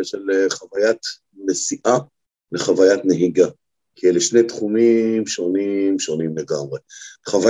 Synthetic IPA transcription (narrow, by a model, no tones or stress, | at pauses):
eʃeleχavajat̪ | mesiʔa | leχavajat̪neɦiɡa | kijɛleʃnejt̪χumimʃo̞nimʃo̞nimleɡamʁe̞χava